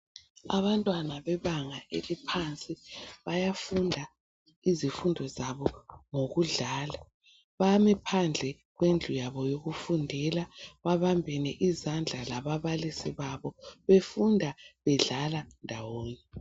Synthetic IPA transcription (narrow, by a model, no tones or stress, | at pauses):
a̰βantʼwanaβɛβaŋaʔelipʰant͡sʼiβajafundʱa | izifundʱɔzaβɔŋoɣuɮaːla | βamɛpʰand͡ɮʱɛ | ɣwend͡ɮʱujaβɔjoɣufundʱɛlaβaβambʱɛnɛʔizand͡ɮʱalaβaβalisiβaβɔβefundʱaβɛɮalandʱawoːni